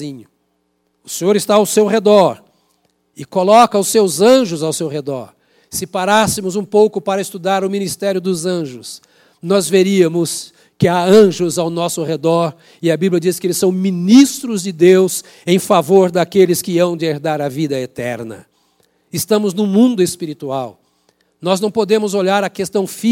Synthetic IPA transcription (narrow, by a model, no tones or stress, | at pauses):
ĩɲʊ | ʊsẽɲoɾɪst̪aawsewhed̪ɔɾ | ɪkolɔkɐʊsewzɐ̃ʒʊzawsewhed̪ɔɾ | sɪpaɾasɪmʊzũpowkʊpaɾɐɪst̪ud̪aɾʊmĩnist̪ɛɾjʊd̪ʊzɐ̃ʒʊs | nɔzveɾiɐmʊs | kɪaɐ̃ʒʊzawnɔsʊʁed̪ɔɾ | ɪɐbiblʲijɐd͡ʒisɪ̥kɪelɪsːɐ̃w̃mĩnist̪ɾʊzd͡ʒɪd̪ews | ẽj̃favoɾd̪akelɪskɪɐ̃w̃d͡ʒɪeɾd̪aɾɐvid̪ɐet̪ɛɾnɐ̰ | ɪst̪ɐ̃mʊznʊ̃mũnd̪ʊespiɾit̪uaw | nɔznɐ̃w̃pod̪ẽmʊzoʎaɾɐkest̪ɐ̃w̃fi